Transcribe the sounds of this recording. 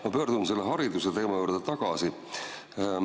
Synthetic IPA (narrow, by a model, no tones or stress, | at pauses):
mɑpø̞ːɾd̪̥umse̞lːeɦɑɾid̪uset̪e̞ːmɑjuːɾd̪̥et̪ɑɡ̥ɑsi